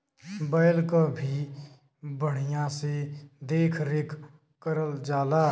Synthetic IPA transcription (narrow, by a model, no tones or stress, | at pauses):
bəɪlkabʱi | bəɽ̤ijãsed̪eːkʰɾɪkʰ | kəɾəld͡ʒaːla